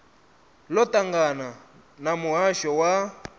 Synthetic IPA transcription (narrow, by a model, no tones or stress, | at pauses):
lɔtʼaŋɡana | namuɦaʃɔwa